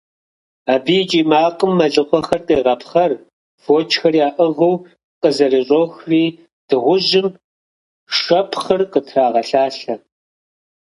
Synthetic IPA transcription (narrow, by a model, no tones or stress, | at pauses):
aːbid͡ʒʼiːmaːqəmːɐɮɨχʷɔxɐrtʼeːʁɐpʰχɐr | foːt͡ʃʰʼxɐrjaːʔɨʁɨw | qʼəzɐrɨɕʼoːxriː | d̥ɨʁʷʊʒɪm | ʂɐpʰχɐrqətʰraːʁɐɬaːɬɐ